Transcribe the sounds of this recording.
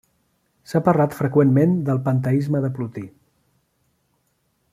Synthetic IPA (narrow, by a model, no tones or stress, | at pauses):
sapərlat̪fɾəkwenmend̪əlˠpənt̪əizməðəplut̪i